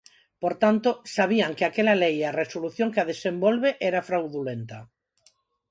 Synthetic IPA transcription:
poɾt̪ant̪osaβ̞iaŋkeakelalejaresoluθjoŋkeaðesembolβeʔeɾafɾawðulent̪a

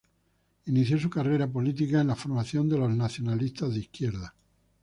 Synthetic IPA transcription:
iniθjo̞sukare̞ɾapo̞lit̪̬ikaenlafoɾmaθjo̞nd̪e̞lo̞znaθjo̞nalist̪azðeihkje̞ɾða

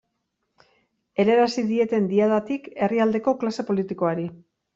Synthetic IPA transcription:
e̞ɾe̞ɾasiðie̞t̪e̞nd̪iaðat̪ike̞riald̪e̞ko̞klase̞po̞lit̪iko̞aɾi

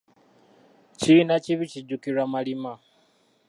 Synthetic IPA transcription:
ciːnaciβiciɟukiɾamalima

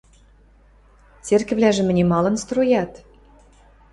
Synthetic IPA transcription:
t͡serkɘ̆βlʲæʒɘ̆mɘ̆nʲemɑlɤ̆nst̪rojɑt̪

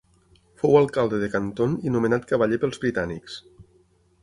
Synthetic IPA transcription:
fowalˠkalˠd̪əðekant̪oninumenat̪̚kəβaʎepəlˠzβɾit̪aniks

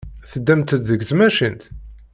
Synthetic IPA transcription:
θəd̪ːæmt̪əd̪ðəɡθmæʃint̪

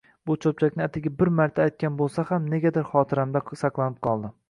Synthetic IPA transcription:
bʊt͡ʃʰɵp̚t͡ʃʰakʲnɪat̪ʰɪɡʲabɪɾmaɾt̪ʰaːjt̪̚kʲanbolˠsahamne̞ɡʲad̪ɪɾχɒt̪ʰɪɾamd̪asɑqlˠanɪp̚qʰɒlˠd̪ɪ

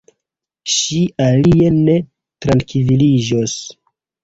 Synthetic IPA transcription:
ʃiʔalie̞ne̞ | tɾankililid͡ʒos

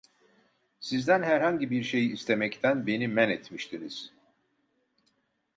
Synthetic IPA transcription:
sizd̪ænɦæɾhaɲɟibiɾʃe̞jiːst̪ʰe̞mɛct̪ʰænbe̞nimænɛt̪miʃt̪ʰiniz̥

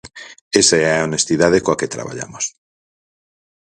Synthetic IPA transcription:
esaaonest̪iðaðekoaket̪ɾa̰βa̰ʎa̰mos

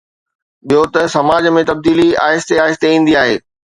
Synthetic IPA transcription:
ɓijot̪ɐsɐmaːd͡ʑmẽt̪ɐb̚d̪iːlia̰ːɦɪst̪eaːɦɪst̪eĩːn̆d̪iaːɦeː

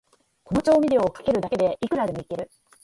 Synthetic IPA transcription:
ko̞no̞t͡ɕo̞ːmʲid̪e̞oːkḁke̞ɾɯ̟d̪ake̞d̪e̞ikɯ̟ɾad̪e̞mo̞ike̞ɾɯ̟

